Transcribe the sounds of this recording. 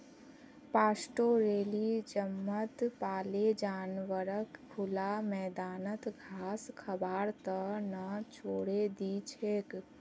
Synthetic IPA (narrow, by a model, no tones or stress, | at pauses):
paːsʈoɾeːlid͡ʒəmːət̪paːled͡ʒaːnʋəɾəkkʰʊlamɛːd̪aːnət̪ɡʱaːskʰəbaːɾt̪ənət͡ʃʰoːɽed̪it͡ʃʰeːk